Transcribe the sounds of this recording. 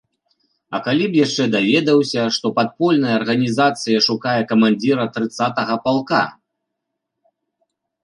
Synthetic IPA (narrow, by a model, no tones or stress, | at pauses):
ɐ̰kalʲipjaʂt͡ʂɛd̪avʲɛd̪ɐwsʲɐʂt̪ɔpat̪̚pɔlʲnɐjɐːrɣɐnʲizat̪sɨjɐʂukajɛkɐmanʲd͡zʲiɾɐt̪ɾɨt̪sat̪ɐɣɐpalˠka̰